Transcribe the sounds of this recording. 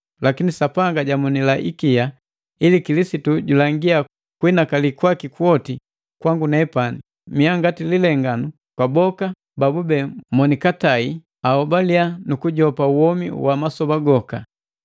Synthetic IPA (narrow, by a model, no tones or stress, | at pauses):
lakinisapaŋɡaɟamunilaʔḭkija | ilikilisituɟulaŋɡia | kwinakalikwakikuɔti | kwaŋɡunɛɛpani | miaŋɡatililɛŋɡanu | kwabɔka | babubɛmɔnikatai | aɔbalianukuɟɔpauwɔmḭwamasɔbaɡɔka